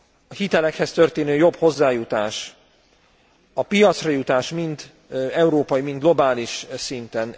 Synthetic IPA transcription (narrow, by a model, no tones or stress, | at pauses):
ɒhit̪ɛlɛkhɛst̪ø̞rt̪eːnøːjo̞bho̞zːaːjut̪aːʃ | ɒpijɒt̪srɒjut̪aːʃmind̪ | ɛuɾoːpɒjimind̪ɡlo̞baːliʃsint̪ɛn